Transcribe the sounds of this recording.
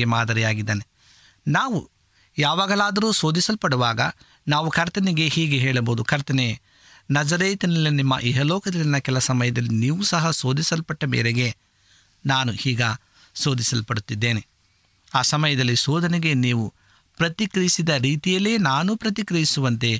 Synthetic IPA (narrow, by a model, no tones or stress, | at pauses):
emaːd̪ɐɾijaːɡid̪ːeːne | naːʋṵ | jaːʋaːɡɐlaːd̪ɐɾuːso̞ːd̪isɐlpɐɽuʋaːɡɐ̰ | naːʋukʰɐɾt̪ɐneɡe̞hiːɡeɦeːɭɐboːd̪ukʰɐɾt̪ɐne | nɐd͡ʒɐɾeːt̪ɐnɐlːinimːɐ̰ʔɛɦɐlɔːkɐd̪ɐlinɐkɛlɐsɐmɐjɐd̪ɐlːiniːʋusɐɦɐso̞ːd̪isɐlpɐʈːɐmḛːɾeɡe̞ | naːnuhiːɡɐ | so̞ːd̪isɐlpɐɽut̪ːid̪ːeːne | aːsɐmɐjɐd̪ɐlːisoːd̪ɐneɡe̞niːʋu | pɾɐt̪ikɾɐisid̪ɐɾiːt̪ijɐlːeːnaːnupɾɐt̪ikɾɐjisuʋɐnt̪e̞